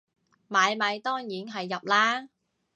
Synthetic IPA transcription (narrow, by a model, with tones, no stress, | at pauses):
maː˨˧jmɐ˨˧jt̪ɔː˥ŋjiː˨˥nɦɐ˨jːɐ˨p̚laː˥